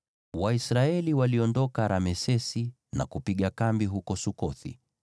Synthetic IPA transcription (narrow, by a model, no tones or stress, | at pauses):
waisɾaɛliwaliɔndɔkaɾamɛsɛsi | na̰kupiɠakambiɦukɔsukɔθḭ